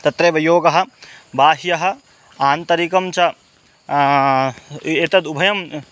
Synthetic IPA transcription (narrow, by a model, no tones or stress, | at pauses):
t̪ɐt̪ɾɐːʋɐjoːɡɐɦɐ̆bʱaːɦijɐɦɐ̆ | aːnt̪ɐɾikɐmt͡ʃʰɐ | et̪ɐd̪ubʱɐjɐm